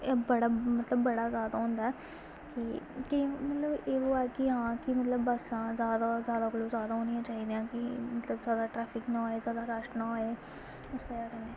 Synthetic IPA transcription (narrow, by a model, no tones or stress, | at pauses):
eːbəɽamət̪ləbːəɽaːzjaːd̪aːɦʊ̃ːnd̪aɛː | kɪkɪmət̪ləbeːoːɛːkɪɦãːkɪmət̪ləbːəsãːzjaːd̪aːzjaːd̪aːkəloːzjaːd̪aːoːnɪjãːt͡ʃaːɦiːd̪ejãːkɪmət̪ləbzjaːd̪aːʈɾɛːpʰɪknãːeːzjaːd̪aːɾəʃnãːoːeː | ʊsʋəjaːkəneː